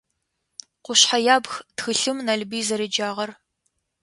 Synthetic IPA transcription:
qʷʊɕħajaːbxtxɨɬɨmnɐɮbiːzɐɾɨd͡ʒaːʁɐr

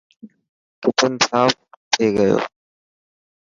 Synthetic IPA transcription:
kɪpənɪsaːf̚t̪ʰeːɡəjo̰ː

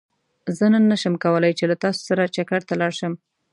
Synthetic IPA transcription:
zənənːaʃəmkawəlajt͡ʃelat̪ɑso̥saɾat͡ʃakaɽt̪alɑɽʃəm

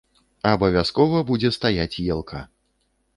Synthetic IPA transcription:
ɐːbɐvʲaskɔvɐbud͡zʲɛst̪ajat͡sʲjɛlˠkʰa

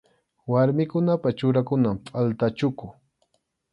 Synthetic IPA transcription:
waɾmɪkʊnapat͡ʃʊɾakʊnampʼalt̪at͡ʃʊkʊ

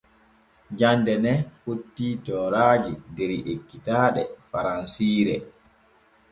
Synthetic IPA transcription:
d͡ʒandɛnɛfotːiːtɔːɾaːd͡ʒideɾiʔekːitaːɗɛ̰faɾansiːɾɛ

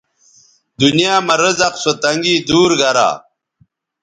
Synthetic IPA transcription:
d̪unijaːmɐɾəzɐqsot̪ɐŋɡiːd̪uːɾɡɐɾa̰ː

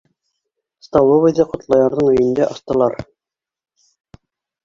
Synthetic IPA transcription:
st̪ɑwoβɤjd̪ɑqŏt̪lˠɑjɑɾðɤɴɵ̆jɘ̆nd̪æʔɑst̪ɤ̆lˠɑɾ

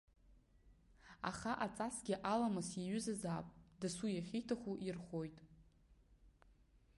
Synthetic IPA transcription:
a̰χaʔat͡sʼasɡʲɪʔalamɨsaɥʏzazaːpʼdasujaχʲijtʰaχʷuʔirχo̞jtʼ

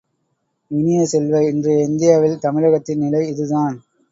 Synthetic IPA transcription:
ʋɪnɪjɐsɛlʋɐɪndrɯɛnd̪ɪjaːʋɪlt̪ɐmɪɻɐɣɐt̪ːɪnnɪlɐɪɪðɯðaːn

